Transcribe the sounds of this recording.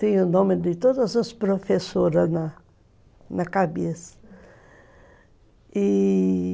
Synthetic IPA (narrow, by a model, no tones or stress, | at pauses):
t̪ẽj̃ʊnõmɪd̪ɪt̪od̪ɐzɐspɾofesoɾɐznɐ | nɐkabesɐ̥ | ɪ